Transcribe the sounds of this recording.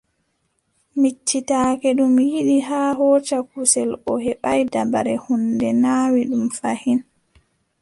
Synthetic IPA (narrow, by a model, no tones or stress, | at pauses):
mit͡ʃːitaːkɛɗumjiɗiɦaːɦɔːt͡ʃakusɛlɔhɛɓajdabaɾɛhundɛnaːwiɗumfahin